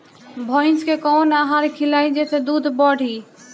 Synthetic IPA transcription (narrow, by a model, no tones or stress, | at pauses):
bʱəɪskekɔnaɦaɾkʰilaid͡ʒet̪ʰed̪ud̪ʱbəɽ̤ʱi